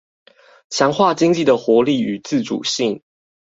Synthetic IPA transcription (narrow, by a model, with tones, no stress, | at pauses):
t͡ɕʰjɑ˧˦ŋxwa˥˨˩t͡ɕi˥ŋt͡ɕi˥˨d̪ə˨˩xwɔ˧˦li˥˨y˨˩t͡sɹ̩˥˨ʈ͡ʂṵ˨˩ɕi˥˩ŋ